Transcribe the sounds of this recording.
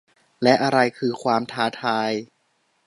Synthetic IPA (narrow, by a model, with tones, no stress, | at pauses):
lɛ˦˥ʔa˧ɾa˧jkʰɯː˧kʰwaː˧mt̪ʰaː˧t̪ʰaː˧j